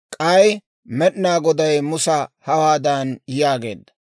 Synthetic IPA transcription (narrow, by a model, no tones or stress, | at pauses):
kʼɐj | mɛɗnaːɡɔd̪ɐjmʊsɐhɐwaːd̪ɐnjaːɡe̞̰ːd̪ːɐ̥